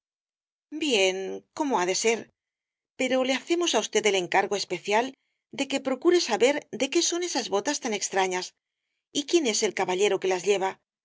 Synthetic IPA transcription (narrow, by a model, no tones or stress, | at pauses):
bje̞ŋko̞mo̞aðe̞se̞ɾ | peɾo̞le̞aθe̞mo̞saust̪e̞t̪e̞le̞ŋkaɾɣo̞e̞spe̞θjal | d̪e̞ke̞pɾo̞kuɾe̞saβe̞ɾd̪e̞ke̞so̞ne̞sazβo̞t̪ast̪ane̞kst̪ɾaɲas | ikje̞ne̞se̞lkaβaʎe̞ɾo̞ke̞lazʎe̞βa